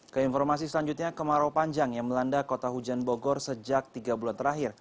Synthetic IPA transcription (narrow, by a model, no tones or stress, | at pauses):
kəinfɔrmasisəlaɲd͡ʒut̪̚ɲakəmaɾopaɲd͡ʒaŋjaŋməlandakot̪aɦud͡ʒanboɡɔrsəd͡ʒak̚t̪iɡabulant̪əɾaɦɪr